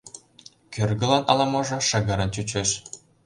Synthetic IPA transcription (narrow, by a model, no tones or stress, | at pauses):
kʲørɡɤ̆lˠɑnɑ̰lˠɑmŏʒɤ̆ʃɤ̆ɣɤ̆ɾɤ̆nt͡ɕut͡ɕeʃ